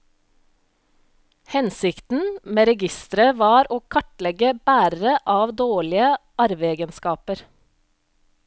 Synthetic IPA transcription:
hɛnsɪkt̪n̩meːɾɛɡɪst̪əɾəʋɑːɾoːkʰɑʈlɛɡəb̥æːɾəɾəʔɑːʋd̪oːɭɪəʔɑɾʋeːɡənskɑːpəɾ

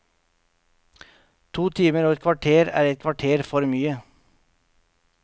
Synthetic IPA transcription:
t̪ʰuːt̪ʰiːməɾuːɛt̪kʰʋɑʈʰeːɾæ̰ːɾɛt̪̚kʰʋɑʈʰeːɾfɔɾmyːə

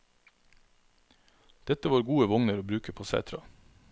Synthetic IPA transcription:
d̪̥ɛt̪əʋɑːɾɡuːəʋʊŋnəɾoːbɾʉːkəpʰoːsæ̰ːt̪ʰɾɑ̰

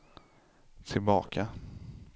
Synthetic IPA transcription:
t̪ʰɪlbɑ̰ːkʰa

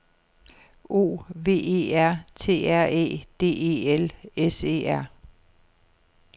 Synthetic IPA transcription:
o̝̰ːʋe̝̰ːe̝̰ːæɐ̰t͡sʰe̝̰ːæɐ̰e̝̰ːd̥e̝̰ːe̝ːelese̝̰ːæɐ̰

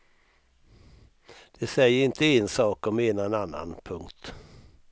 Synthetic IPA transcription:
d̪̥ɛsɛjːəɾɪnt̪ʰəɪnsɑːkɔmeːnaɛnanːa̰npʰɵŋkt̪

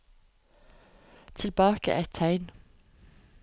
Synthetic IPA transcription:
t̪ʰɪlb̥ɑːkə̰ʔæt̪ʰæɪn

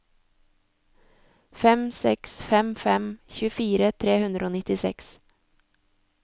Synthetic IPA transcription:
fɛmsɛksfɛmfɛmçʉːfiːɾət̪ʰɾeːhʉnd̪ɾəoːnɪt̪ɪsɛ̰ks

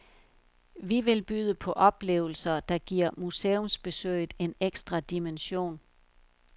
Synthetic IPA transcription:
ʋiʋe̝lb̥yð̞ˠəpʰɒ̽ʔɒ̽b̥le̝̰ːʊl̩sɐd̥ɑ̈ɡ̥iɐ̰museːɔmsb̥e̝sø̰ɪð̩ˠe̝neɡ̥sd̥ʁɑ̈d̥imenɕo̝̰ːn

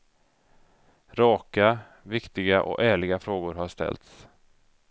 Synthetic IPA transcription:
ɾɑːka | vɪkt̪ɪɡaʔɔ̰kæːɭɪɡafɾoːɡʊɾɦaʂt̪ɛ̰lt̪s

